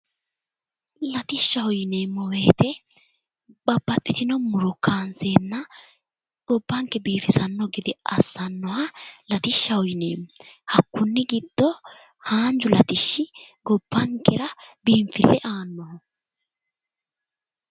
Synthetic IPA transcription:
lɐt̪ɪʃːɐhɔjɪne̞ːmːɔwe̞ːt̪ɛ | bɐbːɐt̪ʼːɪt̪ɪnɔmʊɾʊkʰːaːnseːnːɐ | ɡ̥ɔbːɐŋkːɛbiːfɪsɐnːɔɡɪd̪ɪɐsːɐnːɔhɐlɐt̪ɪʃːɐhɔjnḛːmːhɐkːʊnːɪɡɪd̪̥ːɔ | haːnd͡ʒʊlɐt̪ɪʃːɪɡɔb̥ːɐŋkʰːɛɾɐbiːɱfɪlːɛʔaːnːɔhɔ

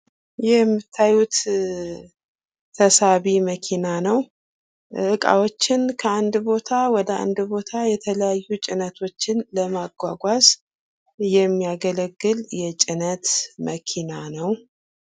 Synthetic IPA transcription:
jɛmːɨt̪ʰːajut̪ | t̪ʰːəsaβiməkʰinanəw | ʔɨkʼa̰wo̞t͡ʃːɪnkʰəand̪bo̞t̪ʰawɔd̪əʔa̰nd̪bo̞t̪ʰajɛt̪ʰələjajːut͡ʃʼɪnət̪ʰo̞t͡ʃːɪnləmaɡʷaɡʷaz | jɛmːiaɡələɡːɨljɛt͡ʃʼɪnət̪mʔəkʰinanəw

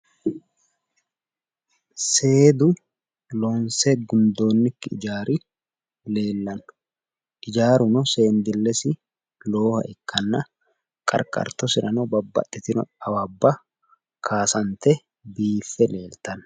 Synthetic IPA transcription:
se̞ːd̪ʊ | loːnsɛɡʊnd̪o̞ːnːɪkːɪɪd͡ʒaːɾi | le̞ːlːɐnʊ̥ | ʔɪd͡ʒaːɾʊnɔseːnd̪ɪlːɛsɪ | loːhɐ̰ʔɛkʰːɐnːɐ | kʼɐ̰ɾkʼɐ̰ɾt̪ɔsɪɾɐnɔbɐbːɐ̰t̪ʼːɪt̪ɪnɔ̰ɐwɐbːɐ | kʰaːsɐnt̪ɛ | biːfːɛle̞ːlt̪ɐn

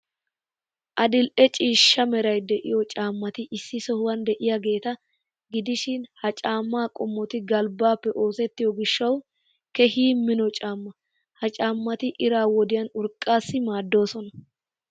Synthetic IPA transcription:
ʔɐd̪ɪlʔɛt͡ʃʼiːʃːɐmɛɾɐjd̪ɛʔɪjɔt͡ʃʼaːmːɐt̪ɪʔɪsːɪsɔhʊwɐnd̪ɛʔɪjɐɡe̞ːt̪ɐ | ɡɪd̪ɪʃɪnhɐt͡ʃʼaːmːaːkʼɔmːɔt̪ɪɡɐlbaːpːɛʔo̞ːsɛt̪ːɪjɔɡɪʃːɐw | kɛɦiːmːɪnɔt͡ʃʼaːmːɐ | hɐt͡ʃʼaːmːɐt̪ɪʔɪɾaːwɔd̪ɪjɐnʊɾkʼːaːsːɪmaːd̪ːo̞ːsɔnɐ

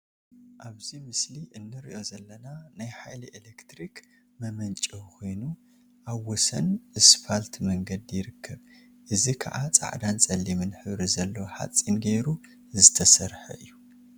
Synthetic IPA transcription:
ʔaβzimɨsliʔɨnːɨɾḭʔozɐlːɐnanajħajliʔelekt̪ɾik | mɐmɐnt͡ʃʼikʰo̞jnu | ʔaβwːɔsɐnʔɨsfalt̪ʰmɐŋɡɐd̪jɪɾɨkʰːɐβ | ʔɨzikʰɐ̰ʕat͡sʼa̰ʕd̪ant͡sʼɐlːimɨnħɨβɾizɐlːɐwħa̰t͡sʼːinɡejɾu | zɨt̪ʰɐsɐɾħɐ̰ɨjːu

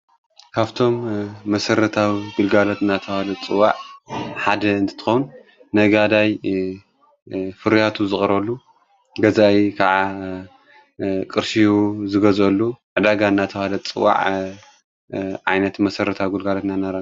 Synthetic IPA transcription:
kʰaβt̪ʰo̞mːɐsɐɾɐt̪ʰawiɡɨlɡalot̪ɨnːat̪ʰɐwalɐt͡sʼɨwaʕħad̪ɐɨnt̪ʰɨ̥t̪ɨ̥xɐwun | nɐɡad̪aj | fɨɾjat̪ʰuzɨχʼɾɐlːu | ɡɐzaikʰaʕa | kʼɨɾʃijuzɨɡɐzɐlːuʕɨd̪aɡaɨnːat̪ʰɐwalɐt͡sʼɨwa̰ʕ | ʕa̰jnɐt̪mɐsɐɾɐt̪ʰawiɡɨlɡalot̪nanaɾa

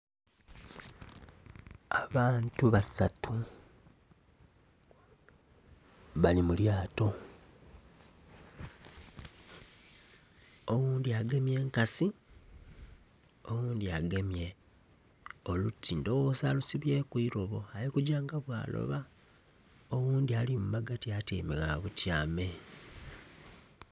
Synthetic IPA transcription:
aβaːntuβasatʰu | βalimuljaːto̞ | owuːndiaɡe̞mje̞ːŋkasi | o̞ɣuːndiaɡe̞mje̞ | o̞lutʰːindowozalusiβje̞kuiɾo̞βo̞ajikuɟaːŋɡaβwa̰ːlo̰βa | oɣuːndialimumaɡatiatḛːmeɣaβutjaːme̞

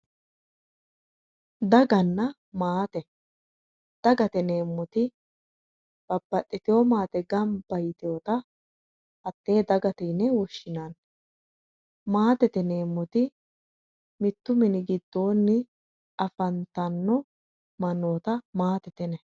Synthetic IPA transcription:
d̪ɐɡɐnːɐ | maːt̪ɛ | d̪̥ɐɡɐt̪ɛneːmːɔt̪ɪ | b̥ɐbːɐtʼːɪt̪ɪjomaːt̪ɛɡɐmb̥ɐjɪt̪ɪjoːt̪ɐ | hɐt̪ːe̞ːd̪ɐɡɐt̪ɛːnɛwɔʃːɪnan | maːt̪ɛt̪ɛne̞ːmːɔt̪ɪ | mɪt̪ːʊmɪnɪɡɪd̪̥ːo̞ːnːɪ | ɐfɐnt̪ɐnːɔ | mɐnːoːt̪ɐmaːt̪ɛt̪ɛnɛ

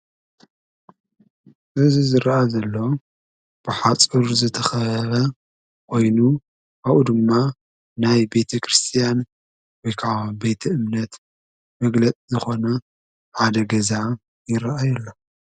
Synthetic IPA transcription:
ʔɨzizɨɾʔazɐlːo̞ | b̥ɨħat͡sʼɨɾzɨt̪ʰɐxɐɐβɐ | kʰo̞jnu | aβʔud̪ɨmːa | najbe̞t̪ʰɐkʰɾɨst̪ʰijan | wɔjkʰabe̞jt̪ʰɐɨmnɐt̪ | mɐɡlɐt͡sʼizɨxo̞nɐ | ħad̪ɐɡɐza | jɪɾaʔajɛlːo

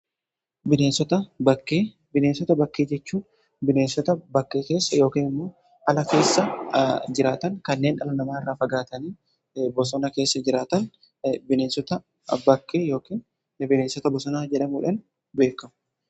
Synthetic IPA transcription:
bɪneːnsɔt̪ɐbɐkːeː | bɪneːnsɔt̪ɐbɐkːeːd͡ʒɛt͡ʃːuːn | bɪneːnsɔt̪ɐbɐkːe̞ːke̞ːsːɐjo̞ːkiːnɪmːo̞ː | hɐlɐke̞ːsːɐd͡ʒɪɾaːt̪ɐŋkɐnːeːnᶑɐlɐnɐmaːɪrːaːfɐɡaːt̪ɐniː | bɔsɔnɐke̞ːsːɐd͡ʒɪɾaːt̪ɐn | bɪneːnsɔt̪ɐ | bɐkːeːjo̞ːkiːn | bɪneːnsɔt̪ɐbɔsɔnaːd͡ʒɛᶑɐmuːᶑɐn | be̞ːkːɐmʊ̥

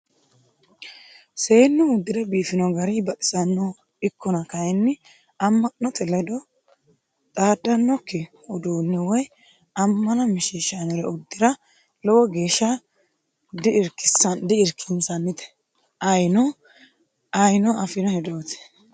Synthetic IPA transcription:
se̞ːnːʊʊd̪ːɪd̪ɐbiːfɪnɔɡɐɾɪbɐt̪ʼɪ̥sɐnːɔ | ɪkʰːɔnɐkɐjɛnːɪ | ɐmːɐnɔt̪ʼɛlɐd̪ɔ | t̪ʼaːd̪ːɐnːɔkːɛ | ɔd̪oːnːɛwɔj | ɐmːɐnɐmɪʃiʃanɔɾɛʊd̪ːɪɾɐ | lɔwɔɡe̞ːʃːɐ | d̪ɪɪɾkːɪsɐnd̪ɪɪɾkʰːɪnsɐnːɪt̪ɛ̥ | ɐjnɔ | ɐjnɔɐfɪnɔhɛd̪oːt̪ɛ̥

